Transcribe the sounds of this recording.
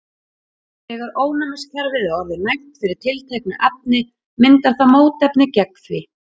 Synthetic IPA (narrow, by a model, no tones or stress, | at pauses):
ɛɣaɾoːwnamɪscʰaɾvɪðaɔɾvɪɾnajht̪fɪɾɪɾ̥t̪ʰɪlt̪ʰejknʏʔap̚nɪ | mɪnt̪aɾ̥θamoːwt̪ɛpnɪcɛkθvɪ